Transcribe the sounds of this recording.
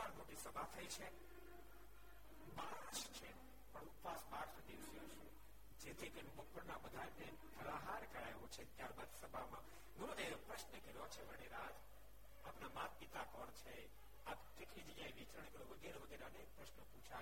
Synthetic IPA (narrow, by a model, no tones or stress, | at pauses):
aɾnoʈisəbʱat̪ʰəit͡ʃʰe | baɾʃt͡ʃʰe | pəɳut̪ʋasbaɾʃd̪iʋsjoʃe | d͡ʒet̪ʰik̪enbəkːəɾnabəd̪ʱaɾne | pəɾaɦaɾkəɾa̰jʋot͡ʃʰet̪jaɾbad̪səbʱamã | ɡunod̪eɾopɾəʃnəkəɾot͡ʃʰeʋəɽeɾad͡ʒ | apnamat̪̚pit̪akɔɽt͡ʃʰe | apt̪ekʰid͡ʒijaiʋit͡ʃɾəɳekəɾoʋəɡeɾeʋəɡeɾanek̚pɾəʃnəpũt͡ʃʰa